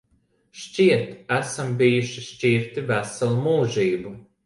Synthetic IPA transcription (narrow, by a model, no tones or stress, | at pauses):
ʃt͡ʃʲiɛt̪æsambijuʃiʃt͡ʃiɾt̪ivæsalˠumuːʒiːbu